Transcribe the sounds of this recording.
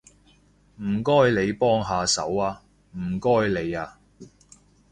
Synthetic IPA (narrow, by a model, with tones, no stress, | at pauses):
m̩˨˩kɔː˥jle˨˧jpɔː˥ŋɦaː˨sɐ̰˨˥waː˧ | m̩ː˨˩kɔː˥jle˨˧jaː˧